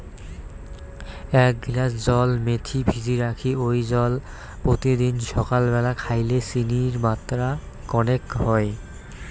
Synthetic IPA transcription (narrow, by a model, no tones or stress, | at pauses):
ɛk̚ɡlasd͡ʑɔlmet̪ʰibʱid͡ʑiɾakʰiojd͡ʑɔl | pɾot̪id̪inʃɔkalbɛlakʰajlesiniɾmat̪ːɾa | kɔnekɦɔe